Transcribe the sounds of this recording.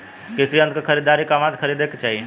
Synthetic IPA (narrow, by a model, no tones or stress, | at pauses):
kɪsiə̃nd̪̚kakʰɐɾiːd̪aːɾikɐmaːd͡ʒkʰɐɾiːd̪eket͡ʃaːɦie